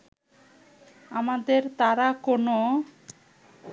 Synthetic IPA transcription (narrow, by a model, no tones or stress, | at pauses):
amad̪eɾt̪aɾakono